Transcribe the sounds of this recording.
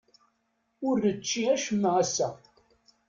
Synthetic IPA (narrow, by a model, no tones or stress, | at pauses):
ʊɾːət͡ʃːiæʃəmːʁæsæ